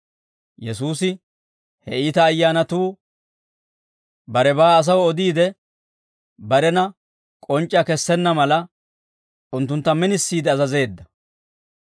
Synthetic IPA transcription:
jɛsuːsɪ | hɛiːt̪ɐːjːaːnɐt̪uː | bɐɾɛbaːɐs̬ɐwɔd̪iːd̪ɛ | bɐɾɛnɐ | kʼɔnt͡ʃʼːɐkɛsːɛnːɐmɐlɐ | ʊnt̪ːʊnt̪ːɐmɪnɪsːiːd̪ɛɐzɐze̞ːd̪ːɐ

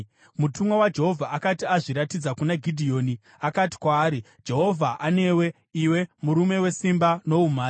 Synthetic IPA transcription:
mutumwawad͡ʒe̞ɦo̞vʱaʔakatiaʐiɾatid͡zakunaɡʱidʱio̞ːni | akati̥kwaːɾi | d͡ʒe̞ɦo̞vʱaʔane̞we̞ | iwe̞muɾume̞we̞simbano̞umaːi

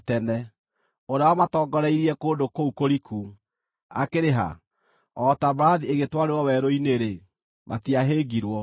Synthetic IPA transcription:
tɛnɛ | oɾaɔmatɔːɡɔɾɛiɾiɛkoːndokoukoɾikʰu | a̰keɾeɦa̰ | ɔtabaɾaðieɣetwaɾewɔwɛɾoineɾe | mʔa̰tiaɦeɡiɾwɔ

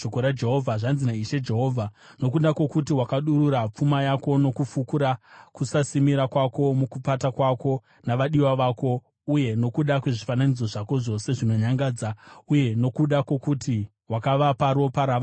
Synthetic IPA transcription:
okoɾad͡ʒe̞ɦo̞vʱaʐanzinaiʃe̞d͡ʒe̞ɦo̞ːvʱano̞kuɗakwo̞kut̬iwakaɗuɾuɾap͡fumajako̞no̞kufukuɾakusasimiɾakwako̞mukupatakwako̞ | naʋaɗiwaʋaːko̞ | uje̞no̞kuɗakwe̞ʐifananid͡zo̞ʐako̞ʐo̞se̞ʐino̞ɲaŋɡaːd͡zauje̞no̞kuɗakwo̞kuti | wakaʋapaɾo̞paɾaʋa

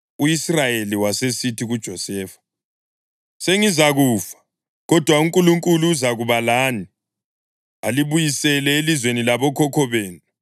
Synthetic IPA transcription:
uisrajeliwasesitʰiɣud̥ʒ̥ʱɔsɛːfḁ | seŋizaɣuːfḁ | ɣɔd̥ʱwauŋkʼuluŋkʼuluːzaɣuβalaːni | aliβujisɛlɛelizwenilaβɔkʰɔkʰɔβeːnu

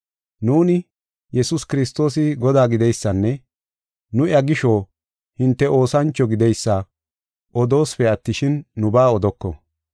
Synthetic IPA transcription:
nuːnɪ | jɛsʊskɪɾɪst̪o̞ːsɪɡɔd̪aːɡɪd̪ɛjsːɐnːɛ | nʊjɐɡɪʃo̞ː | hɪnt̪ːɛʔo̞ːsɐnt͡ʃːɔɡɪd̪ɛjsːa | ʔɔd̪o̞ːsfɛɐt̪ːɪʃɪnːʊbaːɔd̪ɔkːɔ̰

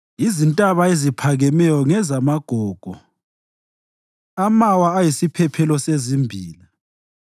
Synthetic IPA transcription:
izintʼaβaezipʰaɣɛmɛjɔŋɛzamaɡ̥ʱɔːɡ̥ʱɔ | amawaːjisipʰɛpʰɛlɔsezimbʱiːli

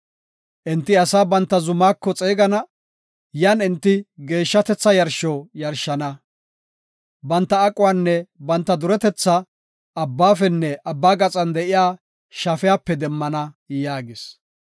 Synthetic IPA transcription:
ʔɪnt̪ːɪɐsaːbɐnt̪ːɐzʊmaːkːɔt͡sʼeːɡɐnɐ | jɐnɪnt̪ːɪɡe̞ːʃːɐt̪ɛt͡sːɐjɐɾʃoːjɐɾʃɐnɐ | bɐnt̪ːɐːkʼʊwanːɛbɐnt̪ːɐd̪ʊɾɛt̪ɛt͡sːɐː | bːaːfɛnːɛʔɐbːaːɡɐt͡sʼɐnd̪ɛʔɪjaː | ʃɐfɛjaːpːɛd̪ɛmːɐnɐjaːɡɪs

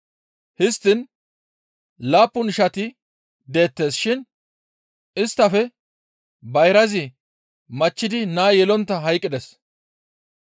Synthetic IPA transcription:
hɪst̪ːɪn | laːpːʊnɪʃɐt̪ɪ | d̪e̞ːt̪ːe̞ːsʃɪn | ɪst̪ːɐfɛ | bɐjɾɐzɪ | mɐt͡ʃːɪd̪ɪnaːjɛlɔnt̪ːɐɦɐjkʼːɪd̪ɛs

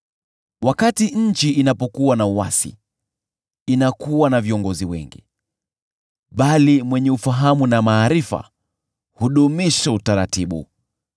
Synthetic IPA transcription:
wakatiɲ̩t͡ʃiinapɔkuwanauwasḭ | inakuwanaviɔŋɡɔziwɛ̰ŋɡḭ | ɓalimwɛɲɛufaɦamunamaːɾifa̰ | huɗumiʃautaɾatiɓṵ

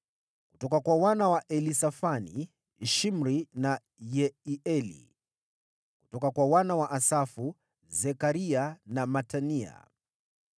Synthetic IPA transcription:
kutɔkakwawanawaʔɛlisafanḭ | ʃim̩ɾina | jɛiɛlḭ | kutɔkakwawanawaʔasafu | zɛkaɾianamatania̰

